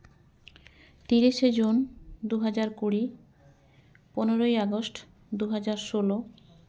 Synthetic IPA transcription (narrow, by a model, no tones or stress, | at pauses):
t̪iɾiʃed͡ʑund̪uɦad͡ʑaɾkuɽi | poneɾojaɡosʈ | d̪uɦad͡ʑaɾʃolo